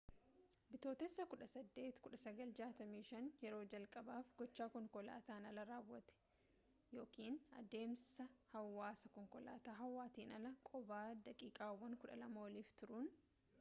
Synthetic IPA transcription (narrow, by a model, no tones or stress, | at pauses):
bɪt̪oːt̪ɛsːɐkʊᶑɐsɐd̪ːe̞ːt̪kʊᶑɐsɐɡɐld͡ʒaːt̪ɐmiːʃɐnjɛɾo̞ːd͡ʒɐlkʼɐbaːfɡɔt͡ʃːaːkɔŋkɔla̰ːt̪aːnɐlɐɾaːwːɐt̪ɛ̥ | jo̞ːkiːnɐ̰d̪e̞ːmsɐhɐwːaːsɐkɔŋkɔla̰ːt̪aːɦɐwːaːt̪iːnɐlɐkʼɔbaːd̪ɐkʼiːkʼaːwːɐŋkʊᶑɐ̰lɐmɐwɔliːft̪ʊɾʊn